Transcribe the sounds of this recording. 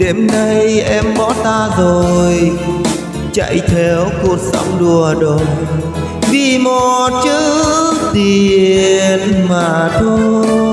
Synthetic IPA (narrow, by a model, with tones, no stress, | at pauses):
ɗe˧˩mna˧jʔɛ˧mɓɔ̰˧˥t̪aː˧zo˨˩j | t͡ɕa̰˧˨jt̪ʰɛ˨˦wku˨˩ək̚sə̰˧˦wŋ͡mɗu˨˩əɗo˨˩ | vi˧˩mo˨˩t̚t͡ɕɨ˧˥t̪i˨˩ | nmaː˨˩t̪ʰo˧